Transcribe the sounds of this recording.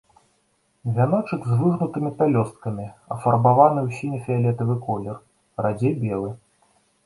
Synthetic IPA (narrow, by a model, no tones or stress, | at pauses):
vʲanɔt͡ʂɨkzvuʐnut̪ɨmʲipʲalʲɔst̪̚kɐmʲiɐ̰fɐrbavanɨwsʲinʲɛfʲɛalʲɛt̪ɐvɨkɔlʲɛr | rad͡zʲejbʲɛlˠɨ